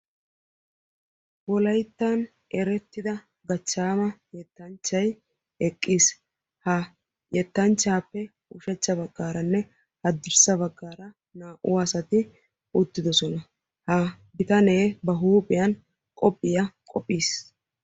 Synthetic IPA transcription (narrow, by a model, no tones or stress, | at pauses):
wɔlɐjt̪ːan | ɛɾɛt̪ːɪd̪ɐ | ɡɐt͡ʃːaːmɐjɛt̪ːɐnt͡ʃːɐj | ɛkʼːiːs | hɐ | jɛt̪ːɐnt͡ʃːaːpːɛ | ʊʃɛt͡ʃːɐbɐɡːaːɾɐnːɛ | hɐd̪ːɪɾsɐbɐɡːaːɾɐ | naːʔʊ̰waːsɐt̪ɪ | ʊt̪ːɪd̪ɔsɔnɐ | hɐ | ɡɪt̪ɐne̞ːbɐɦuːpʼɪjɐn | kʼɔpʼːɪjɐkʼɔpʼːiːs